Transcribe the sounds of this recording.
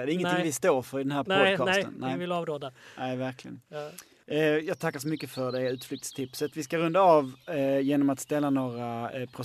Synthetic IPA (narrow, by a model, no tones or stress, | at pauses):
d̪ɛɾɪŋːənʰŋvɪst̪oːɾfœɾɪd̪ɛnɦæːɾpɔd̪ʰɑːst̪ə̰nnɛvɪlɑːvɾoːd̪anɛːvæɾklɪɡə̰n | jɑːɡ̚t̪ʰakːaʂ̬ɔmʏkːəfœɖ̪ɛʉ̟ːt̪flʏkt̪st̪ʰɪpsat̪vɪskaɾɵnd̪aɑvjeːnɔmat̪st̪ɛlːanoːɾapʰɾʊ